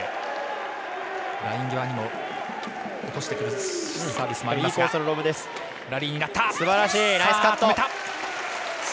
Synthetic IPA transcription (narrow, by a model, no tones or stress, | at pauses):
ɾaĩŋɡʲoβaɲ̟imo̞ | ot̪o̞ɕi̥t̪e̞kɯ̟ɾɯsaːbʲisɨmaɾiːkoːsoɾɯɾo̞bɯ̟d̪e̞sɨ̥ | ɾaɾʲiːɲ̟inat̪ːasɨbaɾaɕiːɾaisɨkat̪ːoet̪a